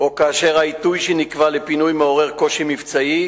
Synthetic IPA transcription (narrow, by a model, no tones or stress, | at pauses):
okaːʃe̞ʁait̪ujʃenikvalepinujmeo̞ʁe̞ʁko̞ʃimivt͡sai